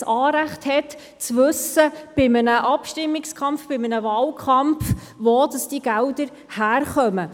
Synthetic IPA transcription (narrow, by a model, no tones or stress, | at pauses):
sɑːɾæχthɛt | t͡sʋɵsəb̥ɪmənəʔɑpʃtɪmːɪkskʰɑmfb̥ɪmənəvɑːlkʰχɑmf | ʋodɑsd̥iɡ̥ældəɾ | hæːɾχœmə